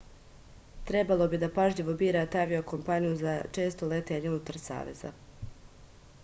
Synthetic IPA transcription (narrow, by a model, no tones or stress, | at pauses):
t̪ɾe̞balˠo̞bid̪apaʒʎiʋobiːɾat̪aʋioko̞mpanijuzat͡ʃe̞ːst̪ole̞t̪eɲeunut̪aɾsa̰ːʋe̞̰z̥a̰